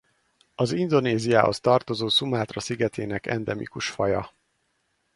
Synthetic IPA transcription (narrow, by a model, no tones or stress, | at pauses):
ɒzind̪o̞neːzija̰ːho̞̰st̪ɒrt̪o̞zoːsumaːt̪rɒsiɡɛt̪ʰeːnɛkɛ̰nd̪ɛmḭkuʃfɒjɒ̰